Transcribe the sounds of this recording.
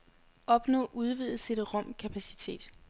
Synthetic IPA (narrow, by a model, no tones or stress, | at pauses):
ʔɒ̽b̥nɔ̰̽ːʔuð̞ˠʋið̩ˠse̝ɾəʁɒ̽m̰kʰæpʰæsi̥t͡sʰe̝̰ːd̥